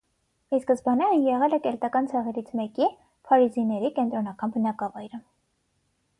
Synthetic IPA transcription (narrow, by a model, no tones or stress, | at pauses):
iskəzbɑnɛɾəjɛʁɛlɛkɛlt̪ɑkɑnt͡sʰɛʁɛɾit͡sʰmɛki | pʰɑɾizinɛɾikɛnt̪ɾɔnɑkɑnbənɑkɑvɑjɾə